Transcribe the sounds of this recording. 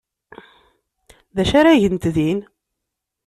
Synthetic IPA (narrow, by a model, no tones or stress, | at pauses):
ðæʃaɾaʝənt̪ðin